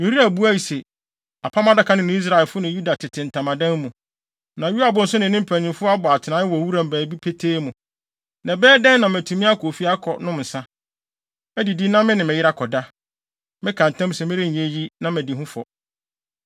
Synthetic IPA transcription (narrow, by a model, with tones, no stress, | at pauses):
jo˨ɾi˦æ˨bu˦æ˦i˨se˨ | a˨pʰa˦mã˦da˦kʰa˨˦nɪ̃˦nʊ̃˦i˦s̬ɾa˨ɛ˨lfʊ˦nɪ̃˨ju˦da˨tʰɪ˨tʰɪ̃˨n̩˨tʰã˨mã˨dã˦mːũ˨ | nã˨ju˦a˨bʊ̃˨˦n̩˦sʊ˦nɪ̃˨nɪ̃˦m̩˦pʰæ˨ɲĩ˨mfʊ˦a˦bɔ˨a˨tʰɪ˨nã˨˦ɪ˦wɔ˨wu˦ɾã˨m̩˨bæː˨bi˦pʰe˦tʰeː˦mũ˨ | nã˨bɛː˦dɛ̃˦n˦nã˨m˨æ˨tʰũ˨mĩ˦a˦kʰo˨fi˦a˦kʰɔ˨nʊ̃˦m˨n̩˨sã˦ | ɛ˦di˨di˦nã˦mɪ̃˦nɪ̃˨mɪ̃˨jɪ˦ɾa˦kʰɔ˨da˦ | mɪ̃˦kʰã˨n˨tʰã˦m˦sɛ˨mɪ̃˦ɾɪ˦ɲ̩˨e˦ji˦nã˦mæ̃˨di˨ɦʊ̃˦fɔ̰˨